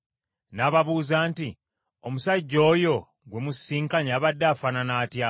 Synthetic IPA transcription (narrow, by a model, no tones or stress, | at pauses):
naːβaβuːzaːnti | omusaɟːo̞ːjo̞ | ɡwe̞musːiːŋkaɲaːβadːaːfananaːtja